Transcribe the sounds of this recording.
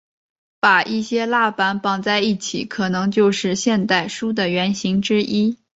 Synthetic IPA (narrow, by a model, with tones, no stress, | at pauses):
pa˨˩ʔi˥˩ɕjɛ˥la˥˩pa˥npɑ˥˩ŋt͡sa˥˧ɪi˥˩t͡ɕʰḭ˨˩˦kʰɤ˨˩nɤ˧˥ŋt͡ɕjo˥˧ʊʂɻ̩˥˧ɕjɛ˥˧nt̪a˥˩ɪʂu˥d̪ə˨ɥɛ˧˥nɕi˧˥ŋʈ͡ʂɻ̩˥ʔi˥